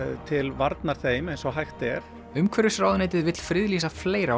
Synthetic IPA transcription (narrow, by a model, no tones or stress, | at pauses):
t̪ʰɪlvaɾt̪naɾ̥θeːjmejnsɔɦajxt̪ɛɾ̥ | ʏmkʰɛɾʏsɾaːwðneːjt̪ɪðvɪt̪l̥fɾɪðliːsafleːjɾa